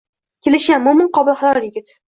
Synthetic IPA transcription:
kʲʰe̞lɪʃɡʲanmʊmɪnqʰɒbɪlˠχalaɾɪjɪɡʲɪt̪

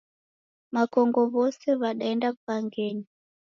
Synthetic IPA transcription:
makɔŋɡɔβɔsɛβaɗaɛndapaŋɡɛɲi

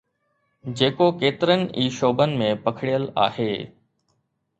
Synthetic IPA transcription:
d͡ʑeːkokeːt̪ɪɾənɪ̆iːʃoːbənɪ̆mẽpɐkʰɽijəla̰ːheː

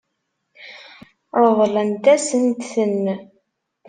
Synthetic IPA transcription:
ɾˤəðˤlənt̪æsənt̪θənː

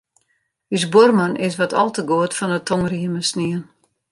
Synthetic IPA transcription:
ysbormanʔɪsʋɔtʰɔ̰lˠtəɡoətfɔnətʰɔŋriəməsniən

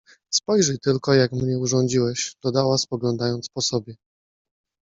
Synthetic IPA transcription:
spɔjʐɛjt̪ɘlkɔjakmɲɛuʐɔɲd͡ʑiwɛɕd̪̥ɔd̪awaspɔɡlɔnd̪ajɔnt̪spɔsɔbʲjɛ

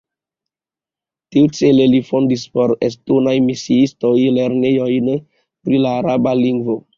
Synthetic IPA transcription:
tiut͡selelifondispo̞ɾes̬tonajmisiistojleɾnejojn | pɾilaːɾabaliŋɡvo

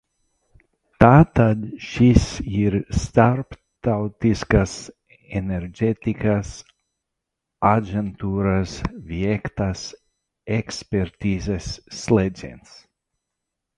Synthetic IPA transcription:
t̪aːt̪ad̪ʃisiɾst̪aɾp | t̪awt̪iskas | eneɾd͡ʒʲet̪ikas | ad͡ʒʲɛnt̪uːɾasvʲiɛkt̪as | ekspʲeɾt̪ʲiːzɛsːled̪zʲḭns

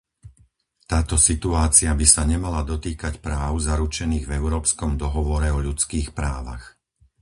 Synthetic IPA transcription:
t̪aːt̪ɔsit̪uaːt͡siabisaɲɛmalad̪ɔt̪iːkacpɾaːʊzaɾut͡ʃɛniːɣvɛʊɾɔːpskɔmd̪ɔɦɔʋɔɾɛɔʎut͡skiːxpɾaːʋa̰x

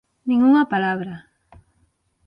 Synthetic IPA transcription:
nɪŋuŋapalaβɾa

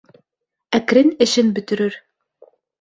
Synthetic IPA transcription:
ækɾɘnɘ̆ʃɘnbɵ̆t̪ɘ̆ɾɘɾ

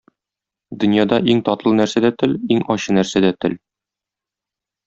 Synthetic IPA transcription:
d̪ɵ̆njɑd̪ɑʔiŋt̪ɒt̪lˠɤnæɾsæd̪æt̪ɘliŋɒɕɤnæɾsæd̪æt̪ɘl

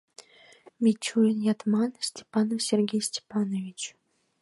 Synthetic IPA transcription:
mʲetʲʰujʲɪnjɑt̪mɑnsʲtʲe̥pɑnofsʲerɡʲejsʲtʲe̥pɑnovʲit͡ɕ

